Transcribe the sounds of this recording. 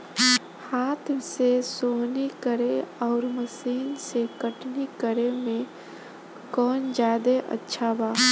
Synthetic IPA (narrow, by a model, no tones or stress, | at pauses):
haːt̪ʰsesonikəɾeɔʊɾməsiːnsekəʈnikəɾemẽ | kɔːnd͡ʒaːd̪eʔə̰tːʃʰabaː